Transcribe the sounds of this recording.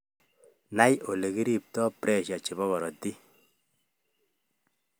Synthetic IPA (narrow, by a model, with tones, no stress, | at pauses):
na˦jo˨le˨ki˦ɾi˦p̚tɔ˦pɾɛ˦˨ʃa˨t͡ʃe˨bɔ˦ɣɔ˨ɾɔ˨ti˦